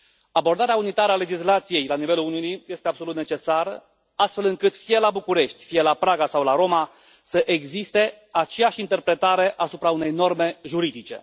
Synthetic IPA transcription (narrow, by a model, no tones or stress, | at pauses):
abo̞rd̪aɾeaunit̪aɾəale̞d͡ʒislat̪sije̞jlanive̞lulunʲjunije̞st̪eabso̞lut̪ne̞t͡ʃe̞saɾə̰ | ast̪fe̞lɨŋkɨt̪fije̞labukuɾe̞ʃt̪ʲfije̞lapɾaɡasawlaɾo̞ma | səʔe̞ɡzist̪e̞ | at͡ʃejaʃint̪e̞rpɾe̞t̪aɾe̞ʔasupɾaune̞jno̞rme̞ʒuɾid̪it͡ʃe̞̰